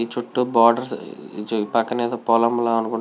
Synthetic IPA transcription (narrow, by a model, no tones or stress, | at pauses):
it͡ʃuʈːubaːɖɐɾ | pɐkːɐneːd̪ɐpɔːlɐmlaːɐnukuɳ